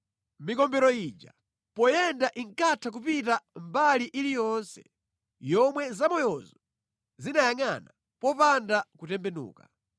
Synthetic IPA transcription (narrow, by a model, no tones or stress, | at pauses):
mikɔmbɛɾɔiːd͡ʒa | pɔjɛndaʔiŋkatʰak̬upitambaliʔilijɔnsɛ̰ | jɔmwɛzamɔjɔzɔ | zinajaŋana | pɔpandakutɛmbɛnṵːka